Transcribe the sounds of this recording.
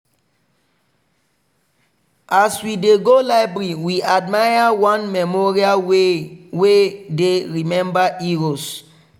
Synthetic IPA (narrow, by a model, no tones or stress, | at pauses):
ʔaswideɡolaɪbɹiwiad̚majawɔ̃nmɛmɔɹialwewedeɹimɛ̃mbaʔiɹos